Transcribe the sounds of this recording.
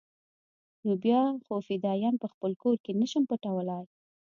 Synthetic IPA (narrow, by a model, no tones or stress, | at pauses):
nobjɑxofid̪ɑjɑnpəxpəlkoɾkenəʃəmpəʈawəlɑj